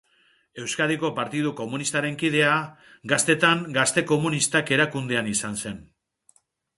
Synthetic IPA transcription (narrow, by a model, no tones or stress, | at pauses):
e̞wskaðiko̞paɾt̪ið̞uko̞munist̪aɾe̞ŋkið̞e̞a | ɡast̪e̞t̪aŋɡast̪e̞ko̞munist̪ake̞ɾakund̪eanisanse̞n